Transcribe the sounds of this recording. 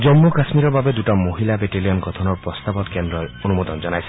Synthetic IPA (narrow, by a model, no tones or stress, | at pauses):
d͡ʒɔmːukɾasmiɾɔbabed̪uʈamoɦilabeʈeliɔnɡɔt̪ʰɔnɔɾpɾɔst̪abɔt̪kendɾɔonumɔd̪ɔnd͡ʒɔnajsi̥